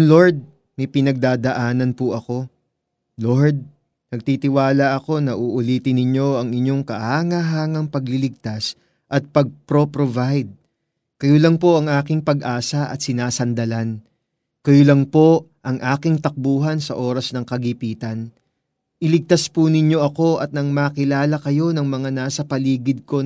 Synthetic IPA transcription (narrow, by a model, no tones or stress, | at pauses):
lo̞ɹd̪̚ | mɐjpɪnɐɡ̚d̪aːd̪ɐʔaːnɐnpʊʔɐko̞ | loɹd̪̚ | nɐɡ̚t̪iːt̪ɪwaːlɐʔɐko̞nɐʔuʔʊliːt̪ɪnɪɲo̞ɐŋɪɲo̞ŋkɐʔhaːŋɐɦaːŋɐŋpɐɡlɪlɪɡ̚t̪as | ʔɐt̪̚pɐɡ̚pɾopɾovajd̪̚ | kɐjolɐŋpo̞ʔɐŋʔaːkɪŋpɐɡʔaːsɐʔɐ̰t̪sɪnaːsɐnd̪ɐlan | kɐjolɐŋpo̞ʔɐŋʔaːkɪŋt̪ɐk̚buːɦɐnsɐʔo̞ːɾɐsnɐŋkɐɡipiːt̪ɐn | ʔɪlɪɡ̚t̪aspunɪɲːo̞ʔɐko̞ʔɐt̪̚nɐŋmakɪlaːlɐkɐjo̞nɐŋmɐŋanaːsɐpɐliːɡɪd̪̚ko̞